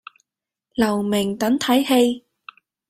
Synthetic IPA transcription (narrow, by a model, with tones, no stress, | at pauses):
lɐ˨˩wmɛ˨˩ŋt̪ɐ˨˥nt̪ʰɐ˨˥jhe˧j